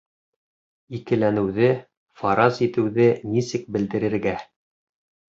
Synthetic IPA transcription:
ikɘ̆lænɘ̆wðɘ | fɑɾɑzit̪ɘ̆wðɘnisɘk̚bɘ̆ld̪ɘ̆ɾɘ̆ɾɡæ

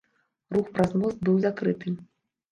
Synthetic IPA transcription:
ruxpɾazmɔzd̪̚bɨwzakɾɨt̪ɨ

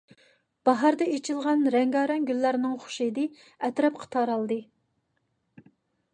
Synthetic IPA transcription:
b̥ɑɦɑɾd̪ɛet͡ʃʰilˠʁɑnɾɛŋɡɑːɾɑnɡʲylːæɾnɪŋχʊ̥ʃid̪ɨ | ɛt̪ɾɛpqʰə̥t̪ʰɑɾɑlˠd̪ɨ

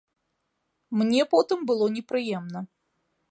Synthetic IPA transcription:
mnʲɛpɔt̪ɨmbɨlˠɔnʲɛpɾɨjɛmnɐ

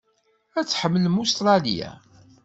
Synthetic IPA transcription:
æt͡sːħəmːəlmust̪ɾˤɑlḭjæ̰

